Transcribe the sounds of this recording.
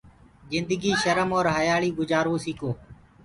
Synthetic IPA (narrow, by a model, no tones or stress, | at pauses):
zɪnd̪əɡiːʃəɾəmoːɾɦəjaːɭiːɡʊd͡ʒaːɾoːsiːkoː